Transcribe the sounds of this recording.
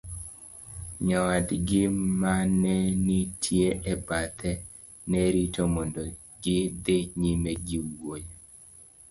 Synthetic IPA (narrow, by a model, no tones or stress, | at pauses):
ɲɔwadɡɪmanɛnitʰjeʔɛbat̪ʰɛ | nɛɾitomɔndo | ɡɪd̪eɲimɛɡiwoje